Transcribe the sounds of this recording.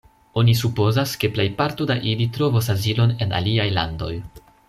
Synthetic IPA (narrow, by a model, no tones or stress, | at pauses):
o̞nisupo̞zaske̞ple̞jpaɾtodaʔilitɾo̞vos̬azilo̞ne̞na̰liajla̰ndo̞̰j